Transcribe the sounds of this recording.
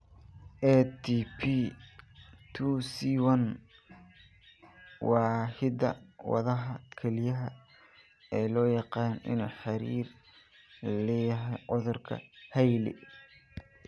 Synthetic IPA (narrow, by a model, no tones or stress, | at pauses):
ʔɛt̪ʰipʰi | t̪ʰusiːwɐn | wɑːhɪd̪ɐwɑ̰ðɐɦɐkʰɛlɪjɐɦɐ | ɛːlɔːjɑqɑːnɪ̰nuːħɑɾiːr | lɛːjɐɦɛjʕʊðʊrkʰɐ̰hɛjlɪ̰